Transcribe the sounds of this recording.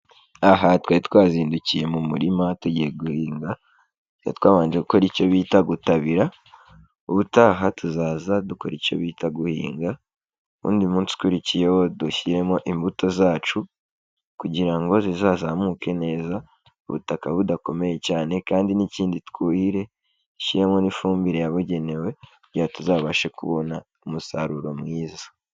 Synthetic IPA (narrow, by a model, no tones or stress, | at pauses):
aɦatwaːɾitwaːziːnducije̞mumuɾimatuɟije̞ɡuhiːŋɡa | ja̰twaːβaːɲd͡ʒeɡuko̞ɾico̞βiːtaɡutaβiɾa | uβutaːɦatuzaːzaduko̞̰ɾico̞̰βiːtaɡuhḭːŋɡa | ṵːndiumuːnsi̥kuɾicije̞wo̞duçiɾe̞mo̞ʔimbuto̞zaːt͡ʃu | kuɟiɾaŋɡo̞zizaːzamuːke̞ne̞ːza | uβṵtakaβudako̞me̞je̞caːne̞kaːndiniciːnditkuːhiɾe̞ | çiɾe̞mo̞nifuːmbiɾejaβuɟe̞ne̞we̞kuɟihatuzaːβaʃe̞kṵβo̞na | umusaɾuɾo̞mŋiːzḁ